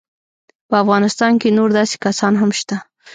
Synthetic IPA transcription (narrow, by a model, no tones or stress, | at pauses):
pəafɣɑnɪst̪ɑnkenoɾd̪ɑse̥kasɑnɦamʃt̪a